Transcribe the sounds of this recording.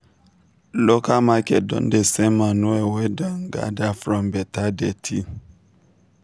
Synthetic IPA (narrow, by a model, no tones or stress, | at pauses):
lɔkamakɛ̰dɔ̰ndɛsɛmanɔɛwɛdaŋɡa̰dafɾɔmbɛtadɛtʰi